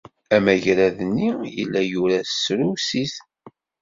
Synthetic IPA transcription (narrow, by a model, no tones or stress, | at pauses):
æmæʝɾæðnːijə̰lːæjuɾæsɾusiθ